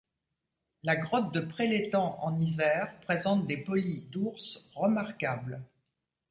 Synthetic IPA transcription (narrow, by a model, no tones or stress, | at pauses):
laɡʁɔt̪̚d̪əpχelet̪ɑ̃ʔɑ̰̃nizɛʁpχezɑ̃t̪̚d̪epɔlid̪uʁsʁəmaʁkabl